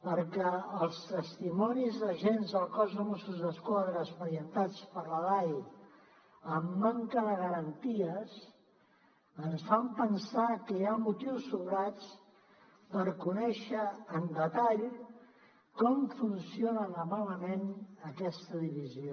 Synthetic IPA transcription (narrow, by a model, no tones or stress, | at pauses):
pəɾkɛəlˠst̪əst̪imɔnizðəʒenzðəlˠkɔzəmɔsuzðəskwaðɾəːspəɾijənt̪at͡spəɾləlaj | əmːaŋkəðəɣəɾənt̪iəs | ənsfampənsakəjamut̪iwsːuβɾat͡s | pəɾkunɛʃəːnd̪ət̪aʎ | kɔmfunsionənəmaləmenəkɛst̪əðiβizio